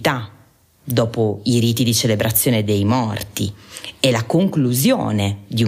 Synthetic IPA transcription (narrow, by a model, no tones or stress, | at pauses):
t̪a | d̪ɔːpoiɾiːt̪id̪it͡ʃelebɾʔat̪sːjɔːned̪ejmɔrt̪iɛlakoŋkluzjo̰ːned̪iu